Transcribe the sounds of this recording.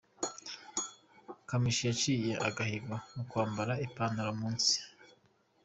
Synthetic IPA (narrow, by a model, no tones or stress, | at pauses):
kamiʃijat͡ʃiːjeʔa̰ɡahiɡɡamukwaːmbaɾaipaːnaɾamuːnsi̥